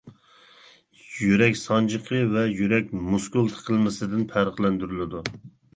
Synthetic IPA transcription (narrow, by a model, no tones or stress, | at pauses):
jyɾɛkʲsɑnd͡ʒəqʰəvɛjyɾɛk̚ʲmuskulˠt̪ʰə̥qʰəlˠmɪsɪd̪ɪnpʰæɾəχlˠɛnd̪yɾylɪd̪u